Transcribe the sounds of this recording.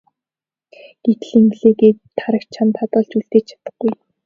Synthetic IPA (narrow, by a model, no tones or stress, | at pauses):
ɡ̥et̪̆ɮiŋɡɮeːkeːt̪ʰːaɾə̆kt͡ɕt͡ɕʰant̪ʰat̪ə̆ːɮt͡ɕuɬt̪eːt͡ɕt͡ɕʰḁt̪ə̆χɡuj